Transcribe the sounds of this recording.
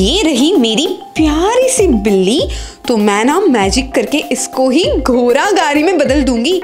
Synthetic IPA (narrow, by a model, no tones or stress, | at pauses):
jeːɾɐɦimeːɾipjaːɾisebɪlːit̪omɛ̃ːnamɛːd͡ʒɪkːɐɾkeʔɪskoɦiɡʱoːɾaɡaːɾimẽbɐd̪əld̪ũːŋɡiː